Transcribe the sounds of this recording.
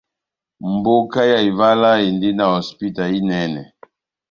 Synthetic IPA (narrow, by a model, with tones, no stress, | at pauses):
m˨bo˦ka˦ja˦i˨va˦la˦i˨ndi˦na˨hɔ˨spi˦ta˨i˦nɛ˦nɛ̰˨